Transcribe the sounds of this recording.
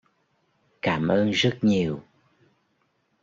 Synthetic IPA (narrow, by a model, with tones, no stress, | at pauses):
kaː˧˩˦mʔəː˧nzə˦˥t̚ɲi˨˩əw